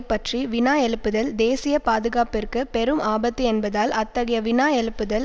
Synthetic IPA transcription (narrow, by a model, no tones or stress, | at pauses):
pːɐʈriʋɪnaːjɛɭɯpːɯðɐld̪eːsɪjɐpaːðɯɣaːpɪrkɯpɛɾɯmaːbɐt̪ːɯɛnbɐðaːlɐt̪ːɐɣɐjɐʋɪnaːjɛɭɯpːɯðɐl